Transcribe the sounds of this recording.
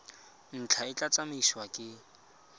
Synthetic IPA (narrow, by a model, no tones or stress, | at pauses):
n̩t͡ɬʰaɪt͡ɬʼat͡samiʃwakʼɪ